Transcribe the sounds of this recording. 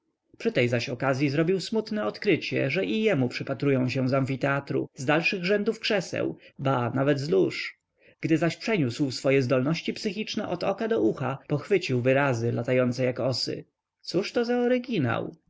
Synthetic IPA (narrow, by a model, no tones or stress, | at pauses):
pʂɘt̪ɛjzaɕɔkazʲjizɾɔbʲiwsmut̪nɛɔt̪kɾɘt͡ɕɛ̰ʐɛʔijɛmupʂɘpat̪ɾujɔ̃w̃ɕɛ̃zaɱfʲit̪ɛat̪ɾṵzd̪alʂɘɣʐɛnd̪ufkʂɛsɛ̰wbanavɛd̪zluʂ | ɡ̥d̪ɘzaɕpʂɛɲuswsfɔjɛzd̪ɔlnɔɕt͡ɕipsɘxʲit͡ʂnɛʔɔd̪ɔkad̪ɔʔuxapɔxfɘt͡ɕiwvɘɾazɘlat̪ajɔnt̪sɛjakɔsɘ̰ | t̪suʂt̪ɔzaɔɾɘɡʲina̰w